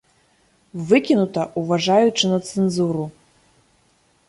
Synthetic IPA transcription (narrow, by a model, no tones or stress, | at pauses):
vɨkʲinut̪ɐʔuvaʐajut͡ʂɨnɐt̪sɨnzuɾu